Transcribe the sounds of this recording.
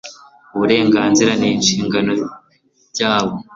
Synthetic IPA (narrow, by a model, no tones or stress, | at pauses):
uβuɾe̞ːŋɡaːnziɾaniːnʃiːŋɡano̞ | ɟaːβo